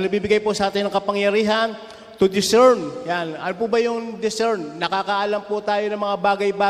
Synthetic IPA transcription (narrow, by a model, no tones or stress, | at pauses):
nɐɡ̚biːbɪɡajposɐʔaːt̪ɪnɐŋkɐpɐŋjɐɾiːɦɐn | t̪ʊd̪ɪsɛɹnjanʔɐnop̬ʊbɐjʊŋd̪ɪsɛɹnːɐkakɐʔalɐmpʊt̪aːjo̞nɐŋmɐŋabaːɡɐjbaː